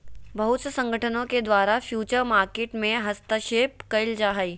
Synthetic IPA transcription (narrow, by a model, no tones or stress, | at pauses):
bɐɦʊt̪səsɐ̃ŋɡʱəʈʰənõked̪waːɾafʰjuːt͡ʃəɾmaːɾkeːʈmẽɦɐst̪əʃeːp̚kɐɪld͡ʒaːɦai